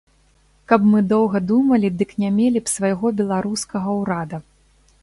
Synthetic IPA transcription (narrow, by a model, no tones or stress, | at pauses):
kɐpmɨd̪ɔwɣɐd̪umɐlʲid̪ɨknʲamʲelʲipsvajɣɔbʲɛlˠaɾuskɐɣɐwɾad̪ɐ